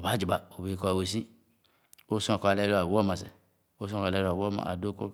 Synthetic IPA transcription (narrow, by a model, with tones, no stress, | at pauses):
ba˨˦d͡ʒi˨ba˨o˨be˨ko˦a˨we˨si˦ | o˦sa˨ko˧a˨le˦lo˦a˨wo˦ma˨sḛ˨ | o˦s̬ũ˦ka˨le˦ɾa˨wo˦ma̰˨a̰˨do˦ko̰˦